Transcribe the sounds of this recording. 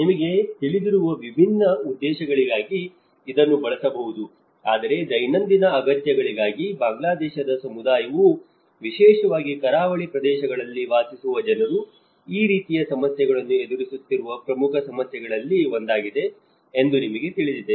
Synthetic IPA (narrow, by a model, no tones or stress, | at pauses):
nimɐɡe̞t̪iɭid̪iɾuʋɐʋibʱinːɐud̪ːɛːʃɐɡɐɭiɡaːɡiː | d̪ɐnːubɐɭɐsɐbɐɦud̪u | aːd̪ɐɾe̞d͡ʒɐjnɐnd̪inɐːɡɐt̪jɐɡɐɭiɡaːɡibaːŋɡlaːd̪ɛːʃɐd̪ɐsɐmud̪aːjɐʋu | ʋiʃɛːʃɐʋaːɡikɐɾaːʋɐɭipɾɐd̪ɛːʃɐɡɐɭɐlːiʋaːsisuʋɐd͡ʒɐnɐɾu | iːɾiːt̪ijɐsɐmɐsjɛɡɐɭɐnːue̞d̪uɾisut̪ːiɾuʋɐpɾɐmukʰɐsɐmɐsjɛɡɐɭɐlːio̞nd̪aːɡid̪e̞ː | nd̪unimɐɡe̞t̪iɭid̪id̪e̞